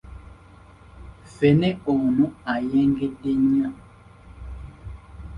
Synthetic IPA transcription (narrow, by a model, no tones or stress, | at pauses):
fɛnɛonuajɛŋɡɛɗeɲã